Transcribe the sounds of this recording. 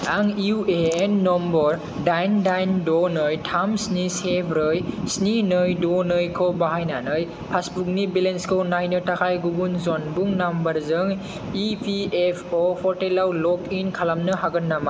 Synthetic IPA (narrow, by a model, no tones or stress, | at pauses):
aŋiueenːɔmbɔɾ | dajndajndɔnɯjtʰamsnisebʰɾɯjsninɯjdonɯjkʰɔbaɦajnanɯj | pʰasbuk̚nibilenskʰownajnɯtakʰajɡubunzonbuŋnambɐɾzɯŋ | ipʰiepʰopʰɔɾtelawlɔkinkʰalamnɯɦaɡɯnːama